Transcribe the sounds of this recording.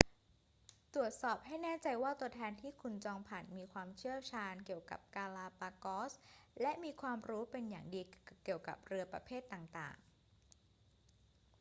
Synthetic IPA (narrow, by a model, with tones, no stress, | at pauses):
t̪ɾu˨˩ət̪̚sɔː˨˩p̚ɦa˥˩jnɛː˥˩t͡ɕa˧jwaː˥˩t̪u˧ɐət̪ʰɛː˧nt̪ʰiː˥˩kʰu˧nt͡ɕɔː˧ŋpʰaː˨˩nmiː˧kʰwaː˧mt͡ɕʰɯ˥˩ət͡ɕʰaː˧nki˨˩əwka̰˨˩p̚kaː˧laː˧paː˧kɔː˦˥slɛ˦˥ʔmiː˧kʰwaː˧mɾuː˦˥pe˧nja̰ː˨˩ŋdiː˧ki˨˩əwka̰˨˩p̚ɾɯ˧ɐpɾa̰˧pʰeː˥˩t̪ːaː˨˩ŋt̪a̰ː˨˩ŋ